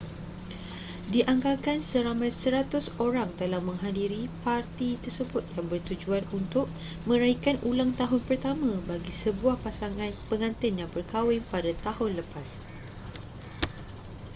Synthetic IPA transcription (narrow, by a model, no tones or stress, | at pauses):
diʔaŋɡakansəɾamãjsəɾat̪ʊsoɾaŋt̪əlahmə̃ŋɦadiɾipart̪it̪ərsəbʊt̪̚jaŋbərt̪ud͡ʒuanunt̪ʊʔ̚ | mə̃ɾaikanulaŋt̪aɦʊnpərt̪amãbaɡisəbuahpasaŋãnpəŋãnt̪ɪnjaŋbərkawɪŋpadat̪ahʊnləpas